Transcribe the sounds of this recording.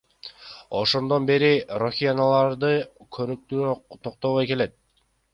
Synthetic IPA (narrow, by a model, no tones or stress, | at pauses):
o̞̰ʃo̞nd̪o̞nbe̞ɾiroxʲijanalˠɑɾd̪ɯkʰønyk̚t̪yt̪ʰoq̚t̪oʁojke̞le̞t̪̚